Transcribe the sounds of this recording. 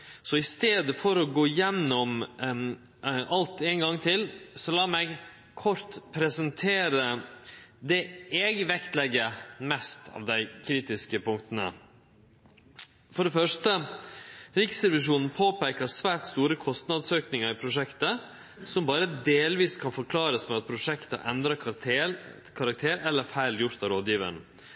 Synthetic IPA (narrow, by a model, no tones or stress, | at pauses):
sɔɪst̪eːd̪əfɔɾɔɡoːjɛnːɔm | ɑlt̪ɛɪŋɡɑŋːt̪ʰɪlsɔlɑːmɛɡ | kʰɔɾt̪pʰɾɛsənt̪ʰeːɾə | d̪ɛɛɡʋɛkt̪lɛɡːəmɛst̪ʰɑ̰ːʋd̪æɪkʰɾiːt̪ɪskəpʊŋk̚t̪ənə̰ | fɔɖɛfœʂtə | ɾɪksd̪ɛʋɪʂuːnn̩pʰoːpæɪkəsʋæːɾt̪st̪uːɾəkʰɔst̪nɑd̪søːknɪŋəɾɪpʰɾʊʂɛkt̪ə | sɔmbɑːɾəd̪eːlʋiːskʰɑnfɔɾkʰlɑːɾəsmɛɑt̪̚pʰɾʊʂɛkt̪əʔɛnd̪ɾɑ | kʰɑɾɑk̚t̪ʰeːɾɛlːəɾfæɪljʊɾt̪ɑʋɾoːd̪jiːʋə̰ɾn̩